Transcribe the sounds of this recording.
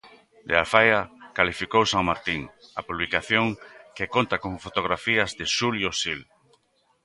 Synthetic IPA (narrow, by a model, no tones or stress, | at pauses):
d̪ealfajakalifikowsaŋmaɾt̪iŋapuβlikaθjõŋkekont̪akõɱfot̪oɣɾafiazðeʃuljosil